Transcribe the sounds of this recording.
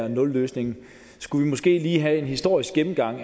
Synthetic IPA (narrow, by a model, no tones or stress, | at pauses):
ɐnɔ̽lːøːsne̝ŋn̩ | sɡ̥uʋimɔ̽sɡ̥e̝̰ːliːɦæe̝nhisd̥o̝ɐ̰isɡ̥ɡ̥em̩ɡ̥ɑ̈ŋ̰